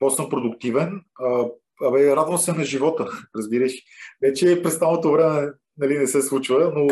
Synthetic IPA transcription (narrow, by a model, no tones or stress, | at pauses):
pɔsɤmpɾod̪ʊkt̪ivɛnə | ɐmɛɾad̪vəmsɛnɐʒivɔt̪əɾɐzbiɾəʃvɛt͡ʃɛpɾɛst̪alˠot̪ovɾɛmɛ | nɐlinɛsɛslˠut͡ʃvəno